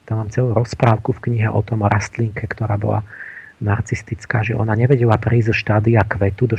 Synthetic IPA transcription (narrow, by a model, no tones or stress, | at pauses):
t̪amaːmt͡sɛluɾɔspɾaːʊkufkɲiɦɛʔɔ̰t̪ɔmɾʔast̪liŋkʰɛkt̪ɔɾaːbɔ̰la̰ | nart͡sist̪it͡skaːʒɛʔɔ̰naɲɛʋɛɟɛlapɾiːzzɔʃt̪aːd̪iakʋɛt̪ud̪ɔ